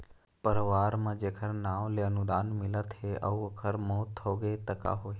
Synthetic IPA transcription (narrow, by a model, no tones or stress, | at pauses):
pəɾʋaːɾmãd͡ʒekʰəɾnaʋleənud̪aːnmilət̪ɦeʔə̰uəkʰəɾmot̪ʰːoɡet̪əka̰ɦoɦe